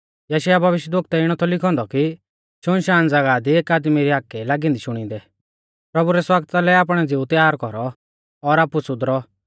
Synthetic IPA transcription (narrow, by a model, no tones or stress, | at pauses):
jɐʃjabʱɐʋɪʃjəd̪ʊkt̪ɛɪɽ̃ɔt̪ʰɔlɪkʰɔ̃nd̪ɔki | ʃʊnʃaːnd͡zɐɡad̪ieːkaːd̪miɾiaːkːɛlaːɡĩnd̪iʃʊɽ̃ĩnd̪ɛ | pɾɐbuɾɛswaɡt̪alɛaːp̬ɽ̃ɛd͡zɪut̪jaːɾkɔɾɔ | ɔɾaːpusʊd̪ɾɔ